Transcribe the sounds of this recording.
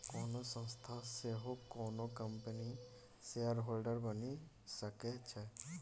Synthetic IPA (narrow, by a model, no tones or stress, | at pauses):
konosə̃ŋst̪ʰaseɦokonokəmpeni | sejəɾɦolɖəɾbəni | səket͡ʃʰɛ